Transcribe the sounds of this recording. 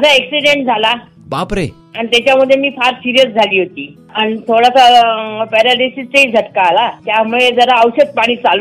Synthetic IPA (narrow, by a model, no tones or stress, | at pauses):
d͡zaeksiɖeɳʈ̚d͡zʱala | bapɾe | añit̪jat͡ɕjaməd̪ʱjemiːfaɾsiɾijəsd͡zʱaliːɦot̪iː | aɽ̃it̪ʰoɽasapɛɾaɖisist͡seid͡zʱəʈkaːlat̪jamuɭed͡zəɾaəwɕət͡s̚paɽ̃iːt͡salu